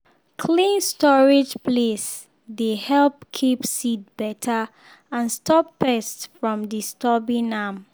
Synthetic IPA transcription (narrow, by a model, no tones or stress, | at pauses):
kʰlĩnstɔɹɪd͡ʒpʰles | dehɛlpkʰipsit̚b̥ɛtʰə | ãnstʰɔppɛstfɹɔ̃mdistɔbĩnam